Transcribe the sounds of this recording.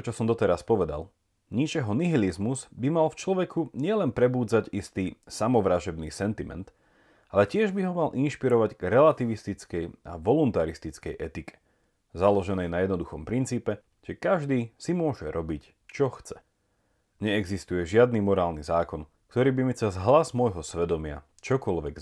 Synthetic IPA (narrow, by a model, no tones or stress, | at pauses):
ɔt͡ʃɔsɔmd̪ɔt̪ɛɾaspɔʋɛd̪a̰l | ɲit͡ʃɛɦɔniɦilizmuzbimalft͡ʃlɔʋɛkʰuɲɪɛlɛnpɾɛbuːd͡zaɟist̪iːsamɔʋɾaʒɔbniːsɛnt̪imɛ̰nt̪ | ʔalɛcɪɛʒbiɦɔmalʔinʃpiɾɔʋaɟɡɾɛlat̪iʋist̪it͡skɛja̰ʋɔlunt̪aɾist̪it͡skɛjʔɛt̪ikʰɛ̥ | zalɔʒɛnɛjnajɛd̪nɔd̪uxɔmpɾint͡siːpɛ | ʒ̥ɛkaʒd̪iːsimʊɔʒɛɾʔɔbic | t͡ʃɔxt͡sɛ | ɲɛɛɡzist̪ujɛʒɪad̪̚nimɔɾaːlnizaːkɔn | kt̪ɔɾiːbimit͡sɛzɦlazmɔjɦɔsʋɛd̪ɔmɪa̰ | t͡ʃɔkɔlʋɛɡ